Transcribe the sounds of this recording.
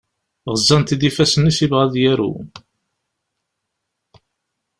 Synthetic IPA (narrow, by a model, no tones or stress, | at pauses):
ʁəzːænt̪id̪ifæsənːisivʁæðjæɾṵ